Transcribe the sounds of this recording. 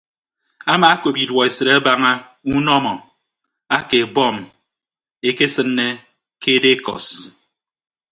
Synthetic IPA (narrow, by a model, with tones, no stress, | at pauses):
a˦maː˨a˦ko˨pi˨dwɔ˨e˨sɨ˨ɾa˦ba˦ŋa˦ | u˦nɔ˦mɔ˨ | a˦ke˨bɔ˦˨m | e˦ke˦sɨ˦nːe˦ | ke˦de˦kɔ̰˨s